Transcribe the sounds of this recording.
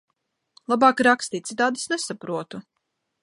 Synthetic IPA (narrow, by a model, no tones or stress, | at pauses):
lˠabɑːkɾakst̪iːt̪sit̪aːd̪i̥snesapɾuɔt̪u